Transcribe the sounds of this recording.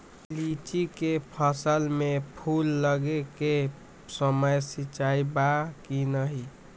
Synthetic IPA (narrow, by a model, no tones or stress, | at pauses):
lit͡ʃikepʰəsəlmepʰulːəɡeke | səməjsit͡ʃaibakinəɦi